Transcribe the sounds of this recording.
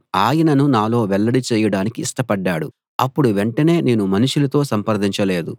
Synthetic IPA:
aːjɐnɐnunaːlo̞ːʋɛɭːɐɽit͡ʃɛːjɐɽaːnikiːʂʈɐpɐɖːaːɽu | ɐ̰pːuɽuʋe̞ɳʈɐne̞ːne̞ːnumɐnuʃulɐt̪o̞ːsɐmpɐɾd̪ʱiɲt͡ʃɐle̞ːd̪u

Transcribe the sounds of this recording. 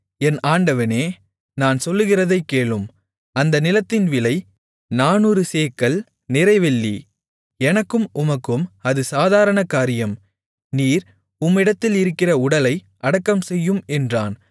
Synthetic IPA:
ɛnaːɳɖɐʋɐneː | naːnsɔlːɯɣɪrɐðɐɪkːeːɭɯm | ɐnd̪ɐnɪlɐt̪ːɪnʋɪlɐɪ | naːnɯɾɯseːkːɐɭ | nɪɾɐɪʋɛɭːḭ | ɛnɐkːɯmʔʊmɐkːɯmɐðɯsaːðaːɾɐɳɐkaːɾɪjɐm | niːɾ | ʊmːɪɽɐt̪ːɪlɪɾɯkːɪrɐʊɽɐlɐɪ | ʔɐɽɐkːɐmsɛjːɯmɛndraːn

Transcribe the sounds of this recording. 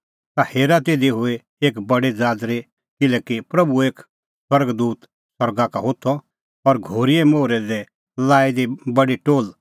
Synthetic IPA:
t̪aheːɾat̪eːd̪iɦʊe | eːkbɐɽed͡zaːd̪ɾe | kɪlɛːkipɾɐbueːk | swɐɾɡd̪uːt̪ | swɐɾɡakaɦot̪ʰːɔ | ɔɾɡʱoːɾiemoːɾɛd̪ɛ | laːid̪ibɐɽiʈoːl

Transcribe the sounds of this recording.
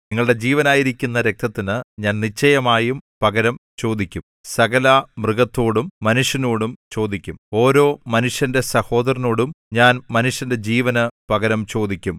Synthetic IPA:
niŋːɐɭɨɽe̞d͡ʑiːʋɐnaːjiɾikʲːunːɐɾe̞k̚t̪ʰɐt̪ːinɨɲaːnnit͡ɕːɐjɐmaːjumpɐɡɐɾɐmt͡ɕo̞ːd̪ikʲːum | sɐɡɐlamrɨɡɐt̪ːo̞ːɽumːɐnuʂjɐnoːɽumt͡ɕo̞ːd̪ikʲːumo̞ːɾo̞ːmɐnuʂjɐnde̞sɐho̞ːd̪ɐɾɐno̞ːɽum | ɲaːnmɐnuʂjɐnde̞d͡ʑiːʋɐnɨpɐɡɐɾɐmt͡ɕo̞ːd̪ikʲːum

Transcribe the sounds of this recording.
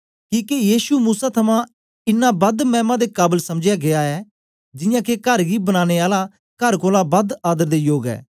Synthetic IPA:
kĩːkejiːsumuːsat̪ʰɐmã | ɪnːabɐd̪mɛ̃ːmãd̪ekaːbəlsɐmd͡ʒɪjaɡeaɛː | d͡ʒɪjãkekɐɾɡibənaːɽ̃eaːla | kɐɾkoːlabɐd̪aːd̪əɾd̪ejoːɡɛ̰ː

